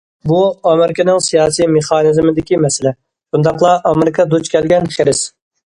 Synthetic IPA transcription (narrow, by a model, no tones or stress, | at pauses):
buɑmɪɾɪkʲɪnɪŋsijɑːsijmeχɑːnɨzmɪd̪ɪkʲimɛsɪlɛ | ʃund̪ɑqlˠɑʔɑmɪɾɪkʰɑd̪ut͡ʃkʲʰɛlɡʲɛnχeɾɪs